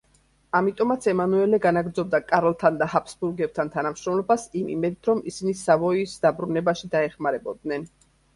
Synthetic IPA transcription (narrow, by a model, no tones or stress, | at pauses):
amit̪ʼɔmat̪sʰɛmanuɛlɛɡanaɡɾd̪zɔb̚d̪akʼaɾlˠt̪ʰand̪ahapʰsbuɾɡɛb̚t̪ʰant̪ʰanamʃɾɔmlˠɔbasimḭmɛd̪t̪ʰɾɔmisinisavɔisd̪abɾunɛbaʃid̪aɛχmaɾɛbɔd̪nɛn